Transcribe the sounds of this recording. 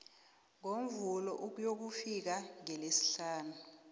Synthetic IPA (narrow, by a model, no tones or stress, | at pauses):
ŋom̩vulɔʔuk̬ujok̬ufik̬aŋɛlesi̥ɬaːnu